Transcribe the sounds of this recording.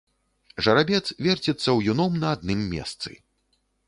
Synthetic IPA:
ʐɐɾabʲɛt̪svʲɛrt͡sʲit̪sːɐwjunɔmnɐad̪nɨmːʲɛ̰st̪sɨ̰

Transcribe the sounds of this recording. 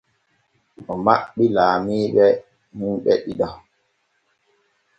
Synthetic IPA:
ɔmaɓːilaːmiːɓɛ | munɓɛɗiɗa

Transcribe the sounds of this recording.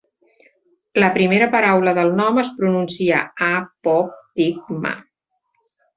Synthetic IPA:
ləpɾimeɾəpəɾawləðəlˠnɔməspɾununsia̰apɔp̚t̪ik̚mə̰

